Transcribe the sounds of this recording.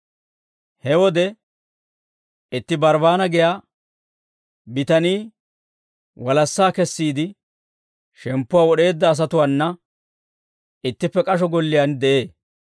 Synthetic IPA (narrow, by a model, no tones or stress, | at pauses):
hɛwɔd̪ɛ | ɪt̪ːɪbɐɾbaːnɐɡɪjaː | bɪt̪ɐniː | wɐlɐsːaːkɛsːiːd̪ɪ | ʃɛmpːʊwaːwɔɗe̞ːd̪ːɐːs̬ɐt̪ʊwanːɐ | ɪt̪ːɪpːɛkʼɐʃ̬ɔɡɔlːɪjand̪ɛʔeː